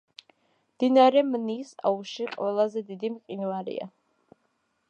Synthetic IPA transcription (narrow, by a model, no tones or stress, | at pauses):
md̪̥inaɾɛmnisa̰uʃiqʼwɛlˠazɛd̪id̪imqʼinvaɾḭa̰